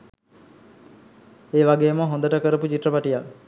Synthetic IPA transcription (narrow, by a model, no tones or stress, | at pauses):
eːʋaɡeːməɦond̪əʈəkəɾəput͡ʃiʈrəpaʈijal